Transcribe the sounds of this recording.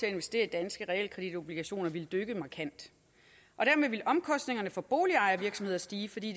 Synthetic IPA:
t͡se̝æe̝nʋesd̥e̝̰ːɐ̥id̥ænsɡ̥əʁɛḛl̰kʰʁɛd̥id̥o̝b̥liɡ̥æɕo̝̰ːnɐʋiləd̥øɡ̥əmɑ̈kʰæn̰d̥ | ʔɒ̽ɾ̥æɐmeðˠʋe̝lʔɒ̽mkʰɒ̽sd̥ne̝ŋɐnəfɒ̽b̥o̝ːliɑ̈ɪɐʋiɐɡ̥sɒmhe̝ð̰ˠɐsd̥iːfɒ̽d̥ḭːd

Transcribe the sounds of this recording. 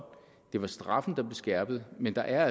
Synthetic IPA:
d̥e̝ʋɑ̈sd̥ʁɑ̈fn̩d̥ɑ̈b̥le̝sɡ̥æɐb̥ð̩ˠmend̥ɑ̈ʔæɐ

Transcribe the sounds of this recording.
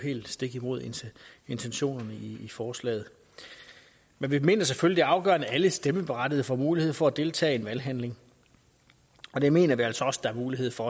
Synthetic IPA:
he̝̰ːld̥sd̥e̝ɡ̥imo̝ð̞̰ˠee̝nt͡sʰenɕo̝̰ːnɐnəiːfɒːslɛ̰ːð̞̩ˠ | menʋime̝̰ːnɐs̬efølid̥e̝ɑ̈ʊɡ̥ɶ̰ɐnææləsd̥eməb̥e̝ʁɑ̈d̥iðˠfɒmuːlihe̝ð̰ˠfɒ̽æd̥e̝lt͡sʰɛ̰ːe̝nʋælɦænle̝ŋ | ɒ̽deme̝̰ːnɐʋiæl̰sɒ̽ɒ̽sə̥d̥ɑ̈æɐmuːliɦe̝ð̞̰ˠfɒ̽

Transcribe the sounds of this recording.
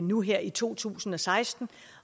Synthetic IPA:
nuɦeɐ̰ʔit͡sʰo̝̰ːt͡sʰṵːsn̩ɒ̽sɑ̈ɪsd̥n̩

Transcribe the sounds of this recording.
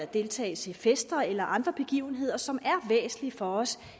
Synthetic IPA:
æd̥e̝lt͡sʰɛ̰ːɪsʰe̝fesd̥ɐelɐʔɑ̈nd̥ʁɐb̥e̝ɡ̥ḭːʊn̩ɦe̝ð̞̰ˠɐsɒ̽mæɐʋḛːsn̩lifɒ̽ɒ̽s

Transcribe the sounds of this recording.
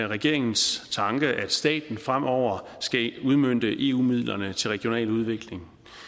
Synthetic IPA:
ʁɛɡ̥e̝ɐ̰e̝ŋn̩st͡sʰɑ̈ŋɡ̥əʔæd̥sd̥ɛ̰ːd̥n̩fʁam̰ʔɒʊ̰ɐ | sɡ̥æuð̞ˠmøn̰d̥əʔe̝ːṵːmið̞̰ˠlɐnət͡sʰe̝lʁɛɡ̥jo̝nɛ̰ːluð̞ˠʋe̝ɡ̥le̝ŋ

